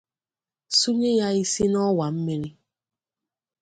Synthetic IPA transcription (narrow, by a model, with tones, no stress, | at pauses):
su˦ɲe˦ja˦i˦si˦nɔ˦wa˨m̩˦mi˦ɾi˦